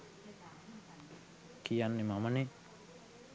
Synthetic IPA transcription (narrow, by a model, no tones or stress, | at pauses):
kijanːimamani